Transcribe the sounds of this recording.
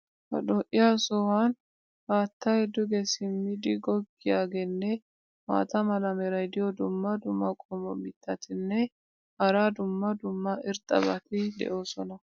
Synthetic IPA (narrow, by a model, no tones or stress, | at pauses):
hɐ̰ᶑɔʔɪjaːsɔhan | haːt̪ːaɛd̪ʊɡɛsɪmːɪd̪ɪɡɔɡːɪjaːɡɛnːɛ | ma̰ːt̪ɐmɐlɐmɛɾɐjd̪ɪjɔd̪ʊmːɐd̪ʊmːɐkʼɔmɔ̰mɪt̪ʰːɐt̪ʰɪnːɛ | hɐɾaːd̪ʊmːɐd̪ʊmːɐʔɪɾt̪ʼɐ̰bɐt̪ɪd̪ɛ̰ʔo̞ːsɔnɐ